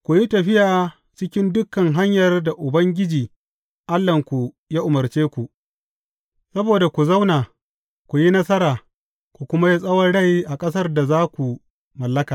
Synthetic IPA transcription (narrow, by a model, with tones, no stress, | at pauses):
kʷu˨ji˦tɐ˨ɸɪ˦jʔaː˨ | t͡ʃɪ˦kʲɪ˦ndʊ˦kːɐ˨ŋɦa˦ɲjɐ˨rda˨ʔʊ˨bɐ˦ŋɡʲɪ˦d͡ʒiː˨ | ʔa˦lːɐ˨ŋkʷu˨ | jaː˦ʔʊ˨mɐ˨rt͡ʃeː˦kʷu˨ʔ | sɐ˦boː˨da˨kʷu˨za˦wnaː˨ | kʷu˨ji˦nɐ˦sɐ˦ɾaː˨ | kʷu˨kʷʊ˦ma˦ji˦sʼɐ˦wɐ˦nɽɐ˦˨jʔa˨kʼɐ˦s̬ɐ˦rda˨zaː˦kʷu˨ | mɐ˨lːɐ˦kaː˨